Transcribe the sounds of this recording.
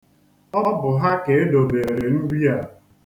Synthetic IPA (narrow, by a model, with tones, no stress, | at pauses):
ɔ˦bʊ˨ɦa˦ke˨e˦do˨be˨ɾe˨ɾe˨n̩˦ɡi˦a˨